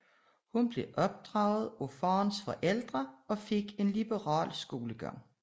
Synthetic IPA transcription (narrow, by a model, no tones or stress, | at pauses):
hunb̥le̝ʔɒ̽b̥̚d̥ʁɑ̈ːʊð̞̩ˠofɑːnsfɒ̽ʔel̰d̥ʁɐɒ̽fe̝ɡ̥e̝nlib̥əʁɑ̰̈ːlsɡ̥o̝ːləɡ̥ɑ̰ŋ̰